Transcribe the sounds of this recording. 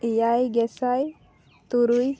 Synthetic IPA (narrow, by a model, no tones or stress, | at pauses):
ijajɡɛsaj | t̪uɾuj